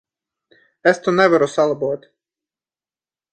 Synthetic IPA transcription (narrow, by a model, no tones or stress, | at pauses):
ɛst̪unɛvaɾusalˠabuɔt̪ʲ